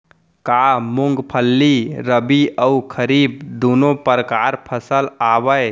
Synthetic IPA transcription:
kamuŋɡpʰəlːiɾəbiəukʰəɾib̚d̪onopəɾəkaɾpʰəsəlabəj

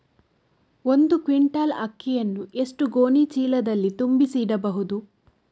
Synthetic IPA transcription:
o̞nd̪ukʋiɳʈɐlɐ̰kːijɐnːuʔe̞ʂʈuɡo̞ːnit͡ʃiːlɐd̪ɐlːit̪umbisiɽɐbɐɦud̪u

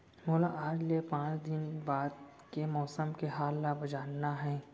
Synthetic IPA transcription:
moːlaʔaːd͡ʒlepãːt͡ʃd̪ɪnbaːd̪̚ | kemɔːsəmkeɦaːlːabɐd͡ʒaːnːaɦɛ̃ː

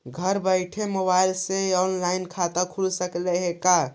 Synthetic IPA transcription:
ɡʱəɾbəɪʈʰemoβailseɔnlainkʰat̪əkʰulsəkleɦeka

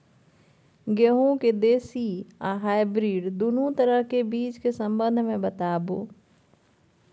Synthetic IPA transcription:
ɡeɦũked̪eːsiãːɦaːɪbɾiːɖd̪unũt̪ɐɾəɦkebiːt͡ʃkesɐ̃mbə̃nd̪ʱmẽbɐt̪aːboː

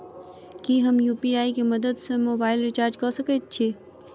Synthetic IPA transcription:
kiɦəmjupiaikeməd̪əd̪sẽmobaːɪlɾit͡ʃaɾd͡ʒkɔsəkɛt̪̚t͡ʃʰi

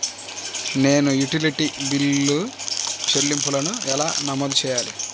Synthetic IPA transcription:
ne̞ːnujuʈiliʈibilːut͡ʃelːimpulɐnuɛlaːnɐmoːd̪ut͡ʃɛːjaːlḭ

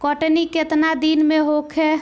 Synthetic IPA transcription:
kɔʈniket̪nad̪inmeɦokʰe

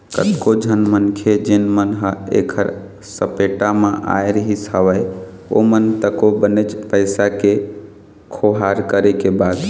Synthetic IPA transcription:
kət̪kod͡ʒʱənmənkʰed͡ʒenmənɦəḛkʰəɾ | səpeʈamãʔa̰jɾəɦishəʋəj | o̰mənt̪əkobənət͡ʃpəɪsake | kʰoɦaɾkəɾekebad̪

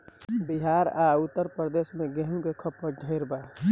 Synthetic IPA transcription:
biɦaɾaut̪ːəɾpɾəd̪esmẽɡeɦũkekʰəpːəɖʱəɪɾba

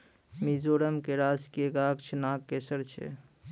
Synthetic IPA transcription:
mid͡ʒoɾəmkeɾaskieɡakt͡ʃʰɛnakːesəɾt͡ʃʰḛ

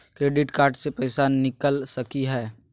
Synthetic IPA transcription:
kɾeːɖɪʈkaːɾɖsepɛːɪsaːnːɪkəlsɐkiɦɛː

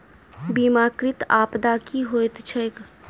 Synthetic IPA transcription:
biːmaːkɾɪt̪aːpd̪aːkiɦoːjt̪t͡ʃʰəjk

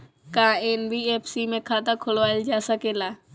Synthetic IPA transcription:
kaeːnbieːpʰsimẽkʰaːt̪akʰʊlʋaːld͡ʒaːsəkeːlaː

